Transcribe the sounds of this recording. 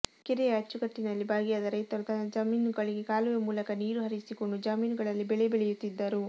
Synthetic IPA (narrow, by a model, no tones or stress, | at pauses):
kiɾɛjɐɐt͡ʃːuɡɐʈːinɐlːibʱaːɡijad̪ɐɾɐjt̪ɐɾut̪ɐnːɐd͡ʒɐmiːnuɡɐɭiɡekaːlujɐmuːlɐkɐniːɾuɦɐɾisiko̞ɳɖud͡ʒaːmiːnuɡɐɭɐlːibɛɭɛbeɭɛjut̪ːid̪ːɐɾu